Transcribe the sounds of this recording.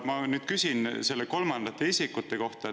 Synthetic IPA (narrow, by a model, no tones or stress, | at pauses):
mɑnyːd̪̥kysinse̞lːeko̞lmɑnd̪̥ɑt̪ːˑe̞isʲikːˑut̪ːe̞ko̞ht̪ɑ